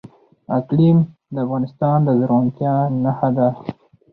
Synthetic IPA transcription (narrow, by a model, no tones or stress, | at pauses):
aklimd̪əafɣɑnɪst̪ɑnd̪əzɾant̪jɑnaxad̪a